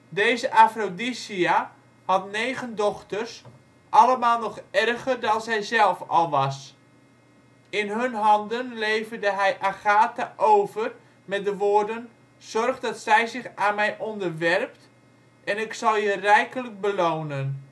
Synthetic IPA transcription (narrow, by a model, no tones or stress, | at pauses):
deːzəʔafrodisia | hɑtnejɣəndɔxtərs | ʔɑləmaːlˠnɔχɛrɣərdɑnzɛjzɛlˠfɑ̰lˠʋɑs | ɪnɦɵnɦɑndənlejvərdəɦɛjʔaɣaːtaʔowvər | mɛt̚dəʋoːrdən | z̥ɔrχdɑtsɛjzɪxaːnmɛjʔɔndərʋɛrp̚t | ɛnɪksɑlˠjərɛjkələk̚bəloːnən